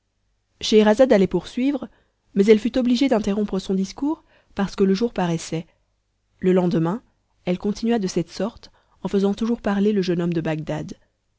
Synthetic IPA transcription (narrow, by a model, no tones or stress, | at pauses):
ʃeʁazad̪alɛpuʁsɥivʁə | mɛzɛlfyt̪ɔbliʒed̪ɛ̃t̪eʁɔ̃pχəsɔ̃d̪iskuːʁ | paʁsə̥kələʒuʁpaʁɛsɛ | ləlɑ̃d̪əmɛ̃ | ɛlkɔ̃t̪inyɥad̪əsɛt̪sɔʁt̪ | ɑ̃fəzɑ̃t̪uʒuʁpaʁleləʒənɔmd̪əbaɡ̚d̪ad̪